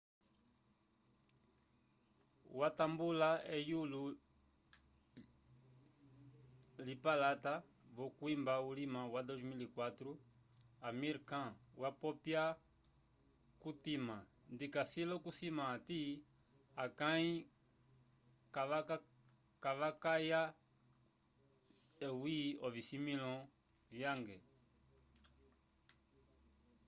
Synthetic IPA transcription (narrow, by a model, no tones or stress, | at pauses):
watambulaɛjulu | lipalata | βɔkwimbaulimawadɔzmilikwatɾu | amiɾkãwapɔpja | kutimã | ndikasilɔkusimaːti | akãi | ka | kaβakaja | ɛwiɔvisimilɔ̃ | vjaŋɡɛ